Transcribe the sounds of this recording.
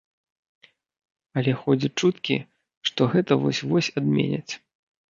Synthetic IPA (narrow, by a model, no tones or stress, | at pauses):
ɐlʲɛxɔd͡zʲɐt͡ʂut̪kʲḭ | ʂt̪ɔɣɛt̪ɐvɔsʲvɔsʲad̪mʲḛnʲɐ̰t͡sʲ